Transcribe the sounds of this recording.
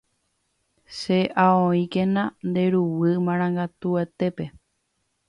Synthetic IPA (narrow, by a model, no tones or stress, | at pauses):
ʃeʔaõĩkẽnãnd̪e̞ɾuwɨmãɾ̃ãŋɡat̪uet̪e̞pe̞